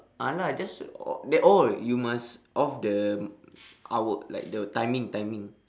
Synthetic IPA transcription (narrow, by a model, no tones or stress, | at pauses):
ʔalad͡ʒasɔ̰dɛʔɔljumasʔɔfdə | ʔawəla̰jk̚dətãjmĩŋtãjmĩŋ